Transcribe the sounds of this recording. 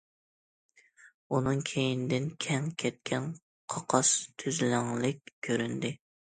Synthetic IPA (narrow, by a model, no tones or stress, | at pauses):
unɨŋkʲʰejinɪd̪ɪnkʲʰɛŋkʲʰɛt̪̚kʲʰɛn | qʰɑqʰɑst̪ʰyzlɪŋlɪkʲkʲʰːøɾynd̪ɪ